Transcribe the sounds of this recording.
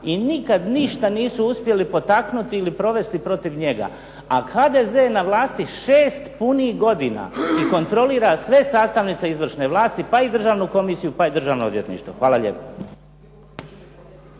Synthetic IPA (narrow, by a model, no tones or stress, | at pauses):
inikad̪niʃt̪aniːsuuspje̞lipo̞t̪aknut̪iilipɾo̞ʋe̞st̪ipɾo̞t̪iʋɲe̞ɡa̰ | ahaːd̪e̞ze̞naʋlˠaːst̪iʃeːst̪punihɡo̞d̪ina̰iko̞nt̪ɾo̞liːɾasʋe̞saːst̪aʋnit̪seizʋr̩ʃne̞ʋlˠaːst̪ipaid̪r̩ʒaːʋnuko̞misijupaid̪r̩ʒaːʋnood̪ʋje̞t̪nḭʃt̪ʋo̞xʋaːlˠaʎḛpo